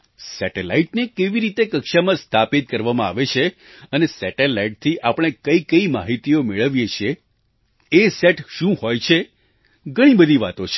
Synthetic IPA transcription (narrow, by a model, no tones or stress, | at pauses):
sɛʈela̰iʈnekeʋiɾit̪ekəkʃamãst̪ʰapit̪̚kəɾʋamãa̰ʋet͡ʃʰe | ənesɛʈelaiʈ̚t̪ʰiʔapɽ̃ekəikəima̰ɦit̪iomeɭəʋjet͡ʃʰijeː | seʈʃũɦojt͡ʃʰe | ɡʱəɽ̃ĩbəd̪ʱiʋat̪ot͡ʃʰe̥